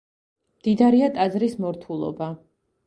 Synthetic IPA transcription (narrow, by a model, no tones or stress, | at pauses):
md̪̥id̪aɾiat̪ʼad̪zɾismɔɾt̪ʰulˠɔ̰ba